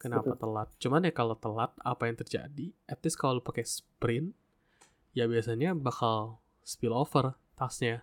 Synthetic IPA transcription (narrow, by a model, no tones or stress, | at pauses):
kənapat̪əlat̪̚t͡ʃumanjakalot̪əlat̪̚a̰pajaŋt̪ərd͡ʒa̰diɛp̚t̪ɪskawalopakɛspɾɪn | jabiasaɲabakal | spɪlofər | t̪asɲa